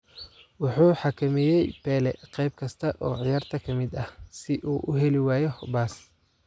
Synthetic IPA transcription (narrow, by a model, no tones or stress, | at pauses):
wɑħuːħɑkʰɐmɛjɛjpʰɛːlɛqɛjb̚kʰɐst̪ʰɐʔɔːʕɪjaːrt̪ʰɐkʰɐmɪd̪ɐhsɪʔuːʔʊɦɛlɪwaːjɔhbaːs